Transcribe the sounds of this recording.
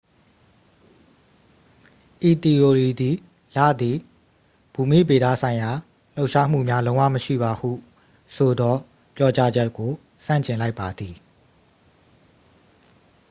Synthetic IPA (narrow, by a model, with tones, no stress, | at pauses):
ʔi˨t̪i˨o˨ɹi˨d̪i˨ | la̰˦˨d̪i˨ | b̥u˨mḭ˦˨be˨d̪a̰˦˨sʰã˨ɪ̃ja˨ | l̥o˦ʊʔʃa˦m̥ṵ˦˨mja˦lõ˦ʊ̃wã̰˦˨məʃḭ˦˨ba˨hṵ˦˨ | sʰo˨d̪ɔ˦ | pjɔ˦t͡ɕa˦d͡ʑɛ˦kːo˨ | sã̰˦˨ɲt͡ɕɪ̃˨la˦ɪpːa˨d̪ði˨